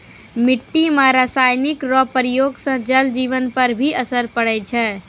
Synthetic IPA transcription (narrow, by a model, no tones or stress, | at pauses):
mɪʈːimãɾasajnikɾɔpəɾijoɡsə̃d͡ʒəld͡ʒiʋənpəɾbʱiʔəsəɾpəɽɛt͡ʃʰɛ